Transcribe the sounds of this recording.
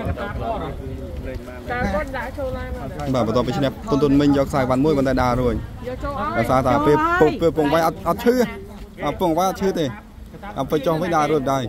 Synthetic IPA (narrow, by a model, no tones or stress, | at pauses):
ɓaːɓɔt̪ŭəpːiːt͡ɕʰnɛ̆əht̪unt̪ʰuənmɨɲjɔːk̚saːjk̚ɓanmuəjpɔnt̪aːɗaːɾuəc̚ | ɗasaːt̪apeəpupiəpːuəŋʋəjʔɑt̪̚ʔɑt̪̚t͡ɕʰɨːʔapuəŋəʋəjʔɑt̪̚t͡ɕʰɨːt̪eː | ʔa̰pɨt͡ɕohʋɨɲɗaːɾuəc̚ɗaəj